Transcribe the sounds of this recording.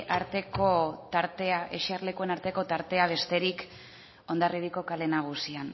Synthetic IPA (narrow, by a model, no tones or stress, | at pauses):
ʔaɾt̪e̞ko̞t̪aɾt̪eaʔeʃiarle̞kue̞naɾt̪e̞ko̞t̪aɾt̪e̞aβ̞e̞st̪e̞ɾik | o̞nd̪ariðiko̞kale̞naɣ̞usian